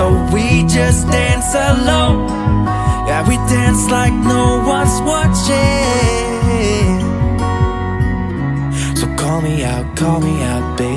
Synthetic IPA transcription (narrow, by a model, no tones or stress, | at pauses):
oʊwid͡ʒʌsd̥æ̃nsəlõʊ̃n | jæwidæ̃nslaɪk̚noʊwʌnswʌt͡ʃɪ | soʊkʰɔlˠmiaʊt̚kʰɔlˠmiaʊt̚b̥e